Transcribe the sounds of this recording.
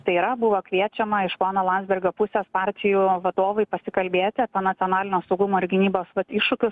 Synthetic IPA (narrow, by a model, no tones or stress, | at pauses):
t̪ɐɪiɾɐbʊʋoːkʋʲiɛt͡ʃʲɛmɐɪʃpoːnɐlˠɑnʲzbʲɛɾʲɡʲoːpʊsʲespɑːɾʲt̪ʲɪjuːʋɐd̪oːʋɐɪpɐsʲɪkɐlʲbʲeːt̪ʲɪɐpʲeɛnɐtsʲioːnɑːlʲɪnʲoːsɐʊɡʊmoːɪɾʲɡʲɪnʲiːboːsʋɐt̪ɪʃʊkʲʊs